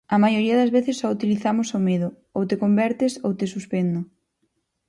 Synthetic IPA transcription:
ɐmajoɾiɐðɐzβeθɪsːɔut̪iliθamʊsomeðʊ | owt̪ekombɛɾt̪esowt̪esuspend̪ʊ

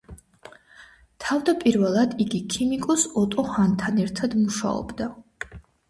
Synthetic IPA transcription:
t̪ʰavd̪apʼiɾvɛlˠad̪iɡikʰimikʼɔsɔt̪ʼɔhant̪ʰanɛɾt̪ʰad̪muʃa̰ɔ̰bd̪a

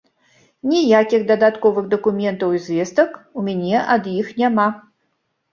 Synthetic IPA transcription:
nʲijakʲiɣd̪ɐd̪at̪kɔvɨɣd̪ɐkumʲɛnt̪ɐwizvʲest̪əkumʲɛnʲɛʔɐd̪jixnʲama

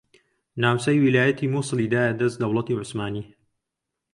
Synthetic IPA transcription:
naːwsɐjwilaːjɐt̪ʰiːmuːsˤɨliːd̪aːjad̪ɐzd̪ɐwlɐt̪iːʕʊsmaːniː

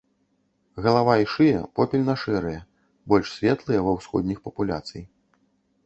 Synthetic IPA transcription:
ɣɐlˠavaiʂɨjɐ̰pɔpʲɛlʲnɐʂɛɾɨjɐ | bɔlʲʂsʲvʲɛt̪lˠɨjɐvɐwsxɔ̰d̪ʲnʲixpɐpulʲa̰t̪sɨ̰j

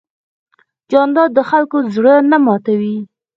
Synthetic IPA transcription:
d͡ʒɑnd̪ɑd̪əxalkozɽənamɑt̪awi

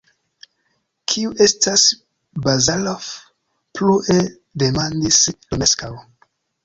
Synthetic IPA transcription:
kʰiuʔe̞stas | bazalof | pluʔe | de̞mandislomeskaw

